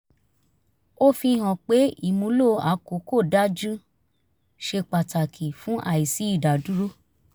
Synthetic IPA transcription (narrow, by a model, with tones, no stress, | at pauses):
o˦fi˧˦ɦɔ̃˨k͡pe˨˦i˨mũ˧˦lo˦˨˧a˨˦ko˨˦ko˦˨da˦d͡ʒũ˦ | ʃe˧k͡pa˨ta˨kʰi˨fũ˨˦ʔa̰˦˨i˨si˨˦i˦˨da˨du˦ɾu˦